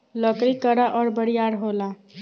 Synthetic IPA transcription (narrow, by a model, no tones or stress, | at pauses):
lɔkɾikəɾaʔɔɾbəɽijaɾɦola